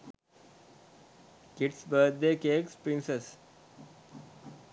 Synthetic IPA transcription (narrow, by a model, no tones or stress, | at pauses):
kiʈsbəːd̪̚d̪eːkeːkspɾĩnses